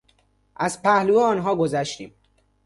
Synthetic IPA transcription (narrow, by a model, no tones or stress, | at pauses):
ʔæzpʰæhlueɒːnɦɒːɡozæʃt̪ḭːm